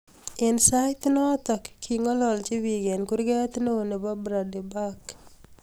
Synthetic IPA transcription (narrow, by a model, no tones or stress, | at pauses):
ɛnsaɪt̪nɔt̪ɔkʰːiŋɔlɔlt͡ʃiwiɡɛnkuɾɡɛt̪noonebabɾadibak